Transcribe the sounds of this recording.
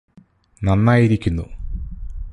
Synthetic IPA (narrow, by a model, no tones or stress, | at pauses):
nɐnːaːjiɾikʲːunːṵ